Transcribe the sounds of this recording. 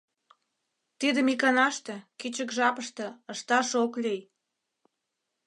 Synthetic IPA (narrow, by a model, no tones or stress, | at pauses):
t̪id̪ə̆mikɑnɑʃt̪ĕkit͡ɕə̆kʒɑpəʃt̪ɤ̆əʃt̪ɑʃoklʲej